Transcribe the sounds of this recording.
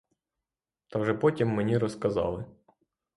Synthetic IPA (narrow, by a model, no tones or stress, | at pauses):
t̪aɡʐɛpɔtʲimːɛnʲiɾɔskɐzɑ̰lˠɪ